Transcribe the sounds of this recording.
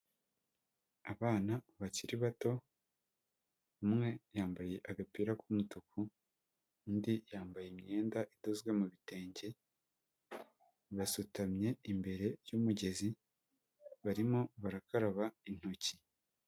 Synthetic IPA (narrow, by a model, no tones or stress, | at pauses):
aβaːnaβaciɾiβato̞ | umŋe̞jaːmbaje̞ʔaɡapiɾakumutuku | ndijaːmbajemɲe̞ːndaʔidozɡwe̞muβite̞ːɲɟe̞ | βasutamɲe̞imbe̞ɾe̞jumuɟe̞zi | βaɾimo̞βaɾakaɾaβain̥ho̞ci